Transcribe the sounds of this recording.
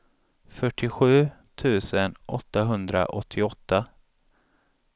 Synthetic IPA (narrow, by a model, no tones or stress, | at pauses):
fœʈʰːɪɧʉ̟ːt̪ʰʉ̟ːsənʔɔt̪ːaɦɵnd̪ɾa̰ʔɔt̪ʰːɪɔt̪ːa